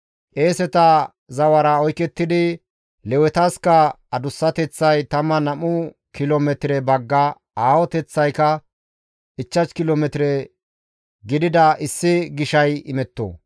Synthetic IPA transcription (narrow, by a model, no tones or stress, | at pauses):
ʔeːsɛt̪ɐ | zɐwɐɾɐɔjkɛt̪ːɪd̪ɪ | lɛwɛt̪ɐskɐ | ɐd̪ʊsːɐt̪ɛt͡sːɐjt̪ɐmːɐnɐmʊ | kɪloːmɛt̪ɪɾɛbɐɡːɐ | aːwɔt̪ɛt͡sːɐjkɐ | ʔɪt͡ʃːɐt͡ʃkɪloːmɛt̪ɪɾɛ | ɡɪd̪ɪd̪ɐɪsːɪɡɪʃɐjɪmɛt̪ːo̰ː